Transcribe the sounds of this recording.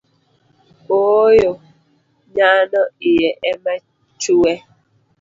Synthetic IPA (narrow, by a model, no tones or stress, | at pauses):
ojo | ɲanɔijɛʔɛma | t͡ʃuwɛ